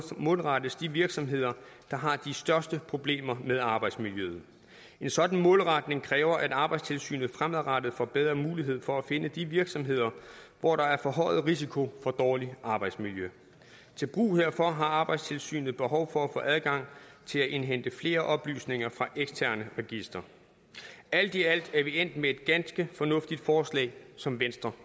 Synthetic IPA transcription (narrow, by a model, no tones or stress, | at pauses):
mɔːlʁɑd̥əsd̥iʋiɐɡ̥sɒ̽mɦe̝ð̞̰ˠɐd̥ɑ̈ɦɑ̈d̥isd̥ɶɐsd̥əpʰʁo̝b̥le̝̰ːmɐmeðˠɑ̈ːb̥ɑ̈ɪd̥smiljøð̩ˠ | e̝nsɒ̽d̥n̩mɔ̽ːlʁɑd̥ne̝ŋkʰʁɛːʊɐʔæd̥ɑ̈ːb̥ɑ̈ɪdst͡sʰe̝lsy̰ːnð̩ˠfʁamæðˠʁɑd̥ð̩ˠfɒb̥eð̞ˠʁɐmuːliɦe̝ð̞̰ˠfɒ̽æfe̝nəd̥iʋiɐɡ̥sɒ̽mɦe̝ð̞̰ˠɐʋɒɾ̥ɑ̈æɐfɒ̽ɦɒ̽ɪð̩ˠʁisikʰo̝fɒ̽d̥ɒːliʔɑ̈ːb̥ɑ̈ɪd̥smiljø | t͡sʰe̝lb̥ʁṵːheɐfɒ̽ɦɑ̈ɑ̈ːb̥ɑ̈ɪdst͡sʰe̝lsy̰ːnð̩ˠb̥e̝ɦɒ̽ʊfɒ̽æfɔ̰̽ːʔæðˠɡ̥ɑ̈ŋ̰t͡sʰe̝læʔe̝nɦen̰d̥əfle̝ːɐʔɒ̽b̥ly̰ːsne̝ŋɐfʁɑ̈ʔeɡ̥st͡sʰæɐ̰nəʁɛɡ̥isd̥ʁɐ | æl̰d̥iæl̰d̥æɐʋien̰d̥mee̝d̥ɡ̥ænsɡ̥əfɒ̽nɔ̽fd̥id̥fɒːslɛ̰ːɪsɒ̽mʋensd̥ʁɐ